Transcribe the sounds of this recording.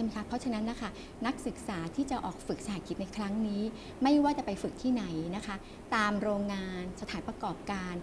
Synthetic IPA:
m˦˥jkʰa˦˥pʰɔ˦˥t͡ɕʰa˧na˦˥nla˦˥kʰa˥˩ | na˦˥k̚sɯ˨˩k̚saː˩˦t̪ʰiː˥˩t͡ɕa˨˩ʔɔː˨˩k̚fɯ˨˩k̚saː˨˦kʰi˦t̪̚na˧jkʰɾa˦˥ŋniː˦˥ | ma˥˩jwaː˥˩t͡ɕa˨˩pa˧jfɯ˨˩k̚t̪ʰiː˥˩na˩˦jna˦˥kʰa˦˥ | t̪aː˧mɾoː˧ŋːaː˧nsa˧t̪ʰaː˩˦npɾa˧kɔː˨˩p̚kaː˧n

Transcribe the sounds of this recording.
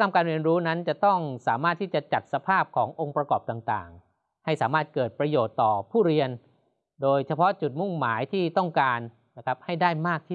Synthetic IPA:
kʰa˧mkaː˧nɾi˧ənɾuː˦˥na˦˥nt͡ɕa˨˩t̪ɔ˥˩ŋsaː˩˦maː˥˩t̪ʰːiː˥˩t͡ɕa˨˩t͡ɕa˨˩t̪̚sa˧pʰaː˥˩p̚kʰɔː˩˦ŋʔo˧ŋpɾa˧kɔː˨˩p̚t̪aː˨˩ŋt̪a̰ː˨˩ŋ | ha˥˩jsaː˩˦maː˥˩t̪̚kɤː˨˩t̪̚pɾa˧joː˨˩t̪ːɔː˨˩pʰuː˥˩ɾi˧ən | doː˧jt͡ɕʰa˧pʰɔ˦˥t͡ɕu˨˩t̪̚mu˥˩ŋmaː˩˦jt̪ʰiː˥˩t̪ɔ˥˩ŋkaː˧nː | a˦˥˩kʰɾa˦˥p̚ha˥˩jdaː˥˩jmaː˥˩k̚t̪ʰi˥

